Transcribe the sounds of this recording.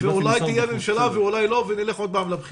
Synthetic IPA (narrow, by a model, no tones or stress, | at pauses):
veulajt̪ijeamemʃalaveulajlo̞venileχo̞d̪̚paːmlabχi